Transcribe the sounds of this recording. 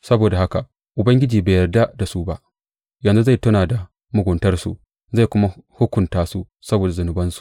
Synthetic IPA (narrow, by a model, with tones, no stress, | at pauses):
sɐ˦boː˨da˨ha˦ka˨ | ʔʊ˨bɐ˦ŋɡʲɪ˦d͡ʒiː˨baː˨jɐ˨rda˦da˨su˦ba˦ʔ | jɐ˨nzu˦za˦˨jtʊ˦naː˨da˨ | mʊ˦ɡʷʊ˨ntɐ˦rsṵ˨ | za˦˨jkʷʊ˦ma˦hʊ˦kʷʊ˨ntaː˦su˦ | sɐ˦boː˨da˨zʊ˨nʊ˨bɐ˦nsu̥˨